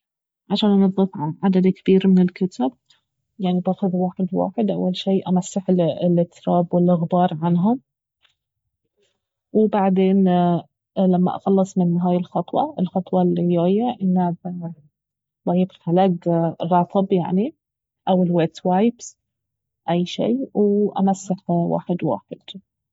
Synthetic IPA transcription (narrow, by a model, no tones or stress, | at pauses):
ʕaʃaːnʔɑnɑðˤːɨfʕad̪ad̪kab̥iːɾmɪnɪlkat̪ʰab̚ | jaʕnibaːxʊðwaːħɪd̪wa̰ːħɪd̪ʔa̰wːalʃiːʔamasːɪħlɪlɪt̪ːɾɑːbwɪlʔɪɣbɑːɾˤʕanɦʊm | wɪbaʕd̪eːn | lamːa̰ʔɑ̰xɑlːɨsˤmɪnɦaːjɪlxɑt̪ˤwɑ̰ʔɪlxɑt̪ˤwɑlːijaːjːaʔɪnːa | bajɪbħalaːɡrˤɑt̪ˤʰɨbja̰ʕni | ʔawɪlweʔt̪waːjps | ʔajːʃḭːwɪʔa̰masːɪħwa̰ːħɪd̪wa̰ːħɪd̪̥